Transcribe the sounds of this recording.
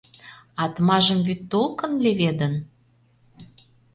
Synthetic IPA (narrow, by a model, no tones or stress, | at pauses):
ɑt̪mɑʒəmvyt̪ːolkə̆nleβed̪ə̆n